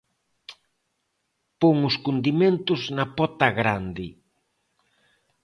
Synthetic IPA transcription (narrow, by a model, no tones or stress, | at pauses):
poŋʊskund̪iment̪ʊznapɔt̪aɣɾand̪ɪ